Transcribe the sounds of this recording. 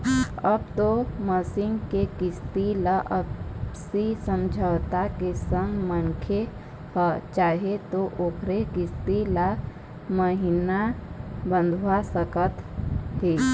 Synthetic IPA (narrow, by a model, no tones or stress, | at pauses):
əb̚t̪oməsɪŋɡkekɪst̪iləʔəsisəmd͡ʒʱət̪akesə̃ŋɡmənkʰe | hɔt͡ʃaːɦet̪oʔoːkʰɾekɪst̪ila | məɦinabə̃nd̪ʱwasəkət̪ɦi